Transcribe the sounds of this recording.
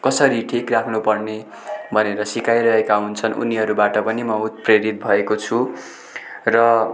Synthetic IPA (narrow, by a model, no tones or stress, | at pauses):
kʌsʌɾiʈʰikrakʰnupʌrne | bʱʌneɾʌsikajɾʌɦekaɦunt͡sʰʌnʔṵniɦʌɾubaʈʌpʌnimʌut̪̚preɾit̪̚bʱʌekot͡sʰu | rʌ